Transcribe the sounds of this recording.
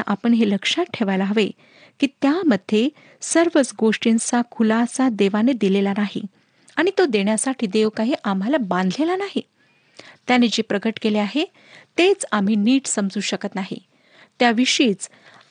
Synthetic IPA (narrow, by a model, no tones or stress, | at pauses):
aʔapəɳɦeləkʂat̪̚ʈʰeʋajlaɦəʋe | kiːt̪jaməd̪ʱːje | səɾʋət͡sɡoʂʈint͡sakʰulasad̪eʋaned̪ilelanaɦḭ | aɽ̃it̪od̪eɳjasaʈʰiːd̪eʋkaɦiʔam̤alabãnd̪ʱlelanaɦi | t̪janed͡ʑepɾəɡəʈkeleaɦe | t̪et͡sam̤iːniːʈsəmd͡zuːɕəkət̪naɦḭ | t̪jaʋiʂiːt͡s